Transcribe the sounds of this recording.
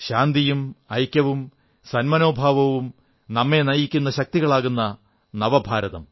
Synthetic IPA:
ɕaːnd̪ijumɐjkʲːɐʋum | sɐnmɐno̞ːbʱaːʋɐʋum | nɐmːe̞nɐjikʲːunːɐɕɐk̚t̪iɣɐɭaːɣunːɐ | nɐʋɐbʱaːɾɐðɐm

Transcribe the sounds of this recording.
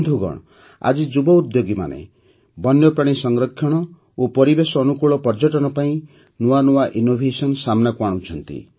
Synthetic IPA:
d̪ʱuɡɔ̰ɽ̃ɔ | a̰d͡ʒid͡ʒubɔud̪joɡima̰nḛ | bɔnjɔpɾaɽ̃isɔŋɡɾɔt̪̚kʰjɔɽ̃ɔ | opɔɾibesɔːnukuɭɔpɔɾd͡ʒɔʈɔnɔpaĩ | nuanuwaʔinobʱesɔnsamnakuaɽ̃ũt͡ʃʰɔnt̪ḭ

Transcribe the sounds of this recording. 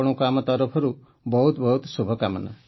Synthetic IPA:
ɽ̃ukamɔt̪ɔɾɔpʰɔɾu | bɔɦut̪bɔɦut̪subʱɔkamɔna̰

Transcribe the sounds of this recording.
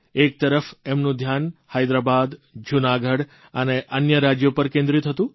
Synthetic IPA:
ek̚t̪əɾəfemnũd̪ʱjanhajd̪ɾabad̪d͡ʒunaɡʱəɽ | əneʔənjəɾad͡ʒjopəɾkẽnd̪ɾit̪ʰət̪ũ

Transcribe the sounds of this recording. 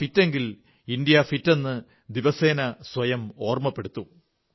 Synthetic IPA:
fitːe̞ŋɡil | ind̪jɐfitːe̞nːɨ | d̪iʋɐse̞ːnɐswɐjɐmo̞ːrmɐpːe̞ɽut̪ːu

